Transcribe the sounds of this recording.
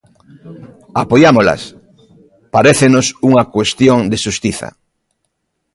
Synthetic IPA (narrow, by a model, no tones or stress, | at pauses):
apojamola̰s | paɾeθenosuŋakwest̪joŋd̪eʃust̪iθa̰